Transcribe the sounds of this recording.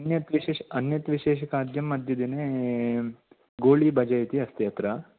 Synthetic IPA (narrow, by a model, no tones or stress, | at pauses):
ɐnjɐt̪ʋiʃeːʃɐnjɐt̪ʋiʃeːʃɐkaːd̪ʱjɐmːɐd̪ʱjɐd̪ine | ɡoːɭibʱɐd͡ʒɐjt̪iɐst̪jɐt̪ɾɐ